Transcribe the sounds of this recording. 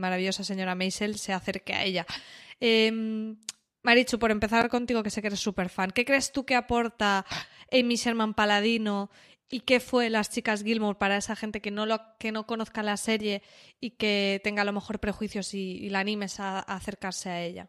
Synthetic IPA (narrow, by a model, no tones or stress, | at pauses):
maɾaβiʝo̞sase̞ɲo̞ɾamejselse̞aθe̞ɾkea̰e̞ʎaemː | aɾit͡ʃupo̞ɾe̞mpe̞θa̰ɾko̞nt̪iɣ̞o̞kesekeɾesːupe̞ɾfaŋke̞kɾe̞ːst̪uke̞apo̞ɾt̪aemise̞ɾmãmpalað̞ino | ike̞fwe̞last͡ʃikazɣilmoɾpaɾae̞saxe̞nt̪e̞ke̞no̞loke̞no̞ko̞no̞θkalase̞ɾje̞ike̞t̪e̞ŋɡalo̞me̞xo̞ɾpɾe̞xwiθjo̞siːlanĩme̞saːθe̞ɾkaɾse̞ae̞ʎa̰